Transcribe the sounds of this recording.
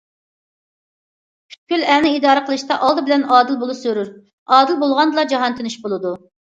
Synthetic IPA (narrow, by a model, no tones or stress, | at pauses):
pʲʰy̥t̪̚kʲylɛnɪid̪ɑːɾəqʰəlˠɨʃt̪ɑʔɑlˠd̪ɨbɪlɛnɑːd̪ɨlˠbolˠusøɾyɾ | ɑːd̪ɨlˠbolˠʁɑnd̪ɨlˠɑd͡ʒɑɦɑnt̪ʰɪnɪʃbolˠɨd̪u